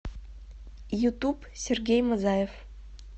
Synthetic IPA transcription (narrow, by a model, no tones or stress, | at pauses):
jut̪up | sʲerɡʲejmɤzɑjef